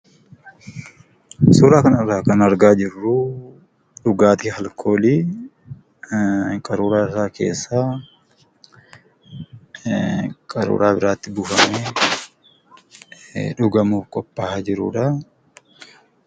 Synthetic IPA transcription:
suːɾaːkɐnɐrːaːkɐnɐɾɡaːd͡ʒɪrːʊ | ᶑʊɡaːt̪ihɐlkʰo̞ːli | kʼɐɾuːɾaːɪraːkʰe̞̰ːsːaː | kʼɐɾṵːɾaːbɪɾaːt̪ːɪbʊːfɐme | ᶑʊɡɐmuːfkʼɔpːaːhad͡ʒɪɾʊ̰ːᶑɐ

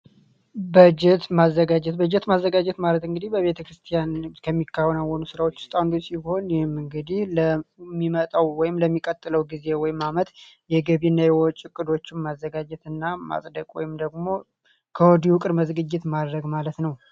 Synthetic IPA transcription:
bəd͡ʒɛt̪mazːəɡad͡ʒɛt̪bəd͡ʒɛt̪mazːəɡad͡ʒɛt̪malət̪ɨŋɡɨd̪ihbəβe̞t̪ʰəkɾɨst̪ʰijankʰəmːikʰːawɔnawənusɨɾawot͡ʃːʊ̥st̪ʼand̪osiho̞njɛhɪmɨŋɡɨd̪ihləmːimət̪ʼawwɔjɪmləmːikʼət̪ʼːɨləwɡize̞wɔjɪmamət̪ | jɛɡəβinːajɛwɔt͡ʃʼːɪkʼːɨd̪o̞t͡ʃːɪmmazːəɡad͡ʒɛt̪ɨnːama̰sʼd̪əkʼwɔ̰jɪmd̪əɡmo̞ | kʰəwɔd̪iwʊkʼɨɾməzɡɨd͡ʒːɪt̪mad̪ɾəɡmalət̪nəw

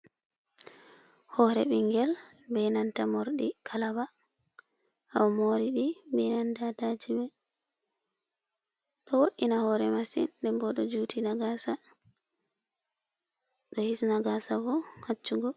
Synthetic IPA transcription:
hɔɾɛ̰ɓiŋɡɛlbɛnantamɔɾɗikʰalaba | awmoɾiɗibɛnandadad͡ʒimɛ | ɗɔwoʔːinahɔɾɛmasḭdɛmbɔɗɔd͡ʒutʰinaɡasa | ɗɔhisnaɡasabɔhat͡ʃːuɡɔ

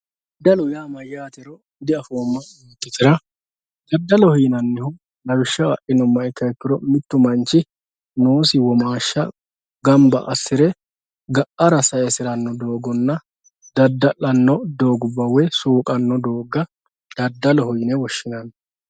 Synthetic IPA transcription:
d̪ɐlʊjaːmɐjːaːt̪ɛɾɔ | d̪ɪɐfoːmːɐ | it̪ːɪt̪ɪɾɐ | d̪̥ɐd̪ːɐlɔhʊjnɐnːɪhʊ | lɐwɪʃːɐɐʔɪnɔmːɐɪkːɐɛkːɪɾɔmɪt̪ːʊmɐnt͡ʃːɪ | noːsɪwɔmaːʃːɐ̰ | ɡɐmbɐ̰ʔɐsːɪɾɛ | ɡɐʔɐɾɐsɐjɛsɪɾɐnːɔd̪o̞ːɡɔnːɐ | d̪ɐd̪ːɐʔɐnːɔd̪oːɡʊbːɐwɛsuːkʼɐnːɔd̪o̞ːɡːɐ | d̪̥ɐd̪ːɐlɔhʊjnɛwɔʃːɪnɐn

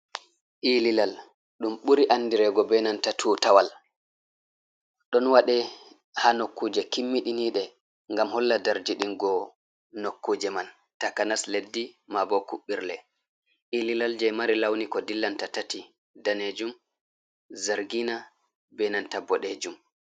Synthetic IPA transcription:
ʔililal | ɗumɓuɾiʔanːdiɾɛɡɔbɛnantatʰuːtawal | ɗɔnwaɗɛ | hanokːuːd͡ʒɛkimːiɗiniːɗɛ | ŋɡamhɔlːadaɾd͡ʒiɗinɡɔ | nokːuːd͡ʒɛman | takanasledːimabɔkuɓːiɾlɛ | ʔililald͡ʒɛjmaɾilawnikɔdilːantatati | daned͡ʒum | zaɾɡina | bɛnantabɔɗed͡ʒum

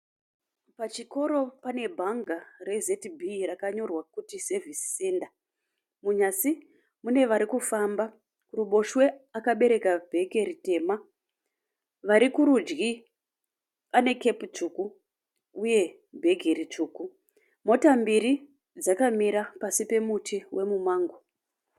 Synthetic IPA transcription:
pat͡ʃiko̞ɾo̞pane̞bʱaŋɡare̞zetbʱirakaɲo̞rwakutise̞vʱisi̥seːnda | muɲasi | mune̞ʋaɾikufamba | kuɾuɓo̞ʃwe̞akaɓe̞ɾe̞kab̥ʱe̞ɡʱe̞ɾite̞ːma | ʋaɾikuɾud͡ʒɡi | ane̞ke̞put͡ʂuku | uje̞ | bʱe̞ɡʱe̞ɾit͡ʂuːku | mo̞tambiɾi | d͡zakamiɾapasipe̞mutʰiwʔe̞mumaːŋɡo

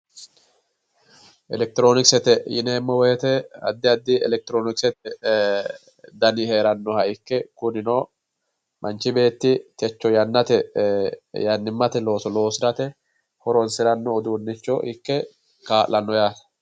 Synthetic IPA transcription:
ʔɛlɛk̚t̪ɪɾo̞ːnɪksɛt̪ɛjɪ̰neːmːɔwɛɛt̪ɛɐ̰d̪ːɪɐd̪ːɪɛ̰lɛk̚t̪ɪɾoːnɪksɛt̪ɛ | d̪ɐnɪheːɾɐnːɔhɐɪkːɛkʊnɪnoː | mʔɐnt͡ʃɪbe̞ːt̪ːɪt̪ɛt͡ʃːɔjɐnːɐt̪ɛ | jɐnːɪmːɐt̪ɛlo̞ːsɔlo̞ːsɾɐt̪ɛ | hɔɾɔnsɪɾɐnːɔːd̪uːnːɪt͡ʃːɔʔɪkːɛ | kaːlːɐnːɔjaːt̪ɐ̥

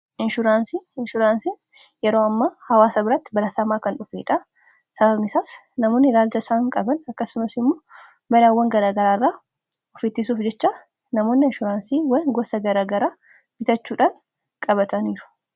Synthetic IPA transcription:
ʔɪnʃʊɾaːnsiɪnʃʊɾaːnsin | jɛɾoːɐmːaːhɐwaːsɐbɪɾɐt̪ːɪbɐɾɐt̪ɐmaːkɐnᶑʊfeːᶑa | sɐbɐbnɪsaːs | nɐmoːnːɪlaːlt͡ʃ̪ɐsaːŋkʼɐbɐnɐkːɐsːʊmɐsɪmːoː | mɐɾaːwːɐŋɡɐɾaːɡɐɾaːrːaː | ɔfiːt̪ːis̬uːfd͡ʒɛt͡ʃːaː | nɐmoːnːɪɪnʃʊɾaːnsiːwɐŋɡɔsɐɡɐɾaːɡɐɾaː | b̥ɪt̪ɐt͡ʃːuːᶑaːŋ | kʼɐbɐt̪ɐniːɾʊ̥

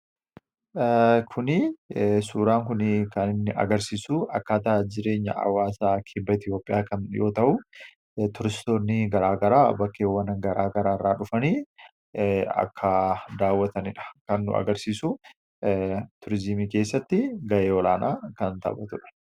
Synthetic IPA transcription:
kʰʊnɪsuːɾaːŋkʊnɪkɐnɪnːɪʔɐ̰ɡɐɾsiːsʊʔɐkːaːt̪ɐʔɐd͡ʒɪɾe̞ːɲːɐ̰ʔɐ̰wːaːsaːkʰɪbːɐɪt̪ʰjo̞ːpʼːɪjaːkɐnjo̞ːt̪ɐʔʊ | t̪ʊɾɪst̪oːnːɪɡɐɾaːɡɐɾaːbɐkːeːwːɐnɐɡɐɾaːɡɐɾaːrːaːᶑʊfɐniː | ɐ̰kʰːɐd̪aːwːɐt̪ɐnɪᶑɐ̥kɐnːʊ̰ʔɐ̰ɡɐɾsiːsʊ | t̪ʊɾɪzimiːke̞ːsːɐt̪ːɪɡɐʔeːɔlaːnʔaːkɐnt̪ɐ̰bɐt̪ʊᶑɐ̥

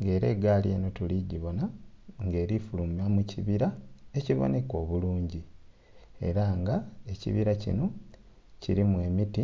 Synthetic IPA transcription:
ŋɡe̞ːɾe̞ːɡaːljḛːno̞tuliɟiβo̞naŋɡe̞ːɾifulumamuciβiɾae̞ciβo̞̰ne̞ko̞ːβuluːɲɟi | e̞̰ɾaŋɡae̞cḭβiɾacḭno̞ | ciɾimwe̞ːmiti

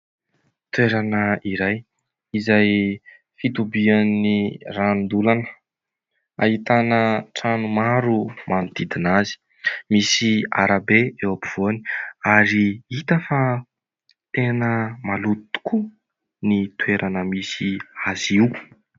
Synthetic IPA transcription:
t̪ueɾanəiɾaj | izaj | fit̪ubianːirand̪ulanə̥ | a̰ɦit̪anəʈ͡ʂanumaɾumanit̪id̪inazi̥ | misiaɾabeewapiv̥oni̥aɾiit̪əfa | t̪enəmalutt̪u̥ku | nit̪ueɾʔanəmisiaziw

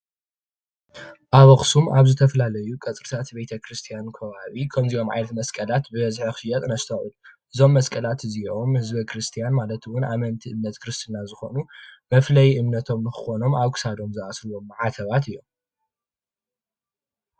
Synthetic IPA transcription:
ʔaβɐxsumʔaβzɨt̪ʰɐfɐlalɐjukʼɐt͡sʼɾɨt̪ʰat̪be̞t̪ʰɐkɾɨst̪ʰijankʰɐβaβikʰɐmzio̞mʕa̰jnɐt̪mɐskʼɐlat̪bɨβɐzħixʃɨjɐt̪ʼnɐst̪ʰɐʔulʔɨzo̞mːɐskʼɐlat̪ziomhɨzbɐkɾɨst̪ʰijanmalɐt̪wʊna̰mɐnt̪ʰiʔɨmnɐt̪kʰɾɨst̪ʰɨnazɨxo̞̰numɐflɐjʔɨmnɐt̪ʰo̞mnɨxɨxo̞no̞maβkʰɨ̥sad̪o̞mzɨʔasɾuomːɨʕat̪ʰɐβat̪ɨjːo̞̰m

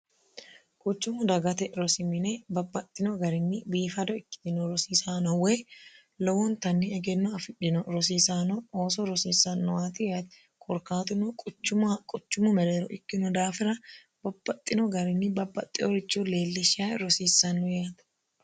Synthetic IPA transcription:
kʼʊt͡ʃːʊmʊd̪ɐɡɐt̪ɛɾɔsɪmɪnebɐbːɐt̪ʼːɪnɔɡɐɾɪnːɪbiːfɐd̪ɔɪkːɪ̥t̪ɪnɔɾɔsiːsaːnɔweː | lɔwɔnt̪ɐnːɪɛɡɛnːɔɐfɪᶑɪnɔɾɔs̬iːsaːnɔoːsɔɾɔsiːsɐnːʊwaːt̪ɪjat̪ɛ̥ | kʼɔɾkaːt̪ʊnʊkʼʊt͡ʃːʊmkʼʊt͡ʃːʊmʊmɛɾeːɾɔʔɪkːɪnʊd̪aːfɪɾɐ | bɐbːɐt̪ʼːɪnɔɡɐɾɪnːɪbɐbːɐt̪ʼːɪɔɾɪt͡ʃːuleːlːɪʃaːɾɔsiːsːɐnːʊjaːt̪ɐ̥

